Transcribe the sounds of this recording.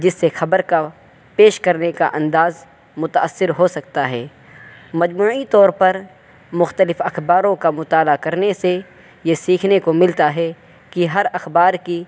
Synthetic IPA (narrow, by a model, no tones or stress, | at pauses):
d͡ʒɪsːexɐbəɾka | peːʃkɐɾneka̰ʔɐ̃nd̪aːz | mʊt̪aəsːɪɾɦosɐkt̪aɦɛː | mɐd͡ʒmuːit̪ɔːɾpɐɾ | mʊxt̪əlɪfɐxbaːɾõkamʊt̪aːlakɐɾnese | jesiːkʰnekomɪlt̪aɦɛ | kiɦɐɾɐxbaːɾki